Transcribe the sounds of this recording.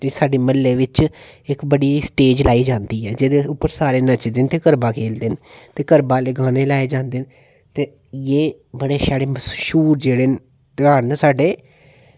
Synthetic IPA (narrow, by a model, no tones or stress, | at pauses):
t̪eːsaːɖeːməlːeːʋɪt͡ʃɪkbəɽiːsʈeːd͡ʒlaːiːd͡ʒãːnd̪iːɦɛːd͡ʒeːd̪eːʊpːəɾsaːɾeːnət͡ʃd̪eːnt̪eːkəɾbaːkʰeːld̪eːnt̪eːkəɾbaːleɡaːneːlaːed͡ʒãːnd̪eːn | t̪eː | jeːbəɽeːsaːɽeːməsʃuːɾd͡ʒeːɽeː | t̪aːnsaːɖeː